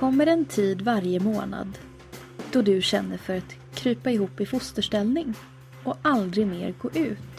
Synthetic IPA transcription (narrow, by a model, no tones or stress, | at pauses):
kʰɔmːəɾɛnt̪ʰiːd̪vaɾjəmoːna̰d̪ | d̪̥ɔd̪ɵɕɛnːəɾfœɾat̪kʰɾyːpaɪɦuːpːɪfʊst̪əʂʈɛlnɪŋ | ɔʔald̪ɾɪɡmḛːɾɡoːʔʉ̟ːt̪